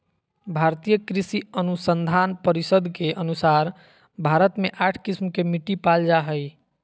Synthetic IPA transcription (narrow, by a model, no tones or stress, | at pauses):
bʱaɾt̪ijəkɾisiənusənd̪ʱanpəɾisəd̪ʱkeʔənusaɾ | bʱaɾət̪meʔaʈʰkismkemiʈipald͡ʒaɦəj